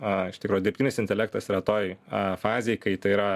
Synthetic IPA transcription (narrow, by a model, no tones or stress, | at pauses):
ɪʃt̪ʲɪkɾuːjʊd̪ʲɪɾʲpt̪ʲinʲɪsɪnʲt̪ʲɛlʲɛːk̚t̪ɐsiɾɐt̪oːjfɑːzʲejkɐɪt̪ɐɪiɾɐ